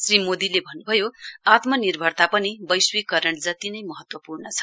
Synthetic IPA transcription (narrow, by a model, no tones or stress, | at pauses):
srimod̪ilebʱʌnːubʱʌjoat̪mʌnirbʱʌrt̪apʌnibʌjswikʌɾʌɳd͡zʌt̪inʌjmʌɦʌt̪wʌpurnʌt͡sʰʌ̥